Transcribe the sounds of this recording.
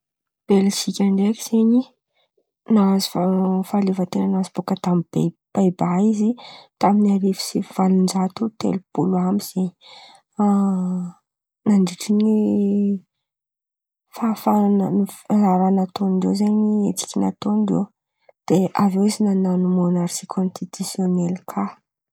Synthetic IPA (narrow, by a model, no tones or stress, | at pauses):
b̥elʃikʲaɳɖ͡ʐekʲi̥z̥eɲi | nazu̥fafalevat̪enənazib̥okət̪amib̥eb̥ajbaizit̪aminaɾifi̥siv̥alund͡ʒat̪ut̪ḛlupuluambiz̥eɲ | a | naɳɖ͡ʐiʈ͡ʂini | fafananiraɾanat̪oniɳɖ͡ʐewzaniet͡si̥kʲina̰t̪onɖ͡ʐḛ | d̪̥eʔavewizinananumonaɾsikʰonst̪it̪usjonelkʰa